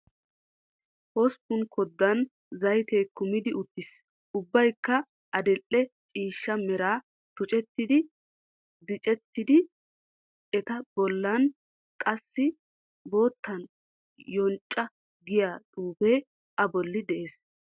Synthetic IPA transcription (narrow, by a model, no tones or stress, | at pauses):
hɔspʊnkʰɔd̪ːɐn | zɐjt̪eːkʊmɪd̪ɪʊt̪ːɪs | ʊbːɐjkːɐ | ʔɐd̪ɛʔːɛt͡ʃʼiːʃːɐmɛɾaː | t̪ʊt͡ʃʼɛt̪ːɪd̪ɪ | d̪ɪt͡ʃʼɛt̪ːɪd̪ɪ | ɛt̪ɐbɔlːɐn | kʼɐsːɪ | bo̞ːt̪ːɐn | jɔnt͡ʃʼːɐ | ɡɪjaːt̪ʼuːbeː | ɐbɔlːɪd̪ɛʔe̞ːs